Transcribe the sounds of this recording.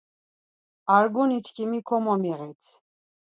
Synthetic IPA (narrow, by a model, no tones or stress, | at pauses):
aɾɡunit͡ʃkʰimikʰɔmɔmiʁɛt̪ʰ